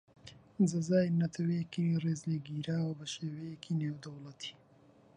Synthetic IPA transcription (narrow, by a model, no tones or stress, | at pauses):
zɐzaːjnɐt̪ʰɐwejekireːzleːɡiːɾaːwɐbɐʃeːwejekʰineːwd̪ɐwlɐt̪ʰi̥ː